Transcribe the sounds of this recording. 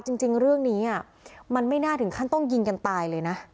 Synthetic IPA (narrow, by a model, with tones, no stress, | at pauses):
t͡ɕi˧ŋt͡ɕi˧ŋɾɯ˥˩əŋniː˦˥ʔa˥˩ | ma˧nma˥˩jnaː˥˩t̪ʰɯ˩˦ŋkʰa˥˩nt̪ɔ˥˩ŋji˧nka˧nt̪aː˧jlɤː˧jna˦˥